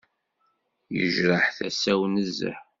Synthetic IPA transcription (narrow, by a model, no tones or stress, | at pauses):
jə̰ʒɾˤəħθæsæwnəzːə̰ħ